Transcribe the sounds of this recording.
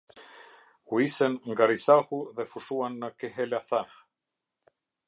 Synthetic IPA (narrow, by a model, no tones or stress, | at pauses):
kwisɛnŋɡaɾisahuðefuʂuanːakeɦɛlaθanχ